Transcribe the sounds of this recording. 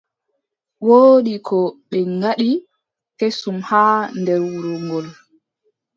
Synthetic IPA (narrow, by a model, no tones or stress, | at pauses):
woːɗikɔɓɛŋɡaɗi | kesumhaːndɛɾwuɾɔŋɡɔl